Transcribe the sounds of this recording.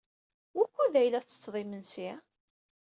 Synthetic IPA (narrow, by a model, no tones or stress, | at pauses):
wækʷːuðæjlæθt͡sə̥t͡sːðˤimənsi